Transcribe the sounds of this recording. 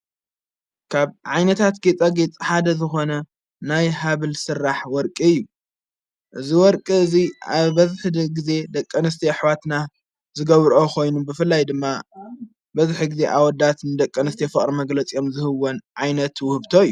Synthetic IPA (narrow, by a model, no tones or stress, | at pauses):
kʰaβʕajnɐt̪ʰat̪ɡet̪ʼaɡet͡s̪ʼħad̪ɐzɨxo̞nɐ | najɦaβɨlsɨɾːaħwɔɾkʼiɨjːu | ʔɨziwɔɾkʼiɨziaβbɐzħd̪ɡize̞d̪ɐkʼːɐnɨs̬t̪ʰiħwat̪na | zɨɡɐβɾʔokʰo̞jnubɨfɨlːajd̪ɨmːa | bɐzħiɡɨze̞ʔawɔd̪ːat̪nɨd̪ɐkʼːɐnɨst̪ʰifɨχʼɾimɐɡlɐt͡sʼijo̞mzɨhɨwonʕajnɐt̪wʊhɨβt̪ʰoɨjːu